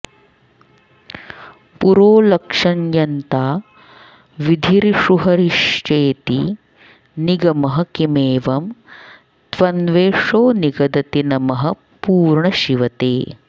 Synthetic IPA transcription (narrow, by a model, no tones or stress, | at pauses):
puɾoːlɐkʂɐnjɐnt̪aː | ʋid̪ʱiɾiʂuɦɐɾiʂt͡ʃeːt̪i | niɡɐmɐɦɐkimeːʋɐm | t̪ʋɐnʋeːʂoːniɡɐd̪ɐt̪inɐmɐɦɐ | puːɾɳɐʃiʋɐt̪eː